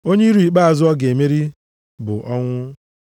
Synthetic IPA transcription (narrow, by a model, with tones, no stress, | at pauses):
o˦ɲe˦i˦ɾu˨i˨k͡pa˦a˨zʊ˦ɔ˦ɡe˨me˦ɾi˦ | bʊ̰˨ʔɔ˦ŋʷʊ˦